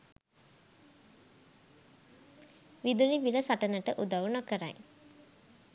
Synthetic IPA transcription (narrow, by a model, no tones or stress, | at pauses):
ʋid̪uniʋiləsaʈənəʈəʔud̪aʋunokəɾa̰j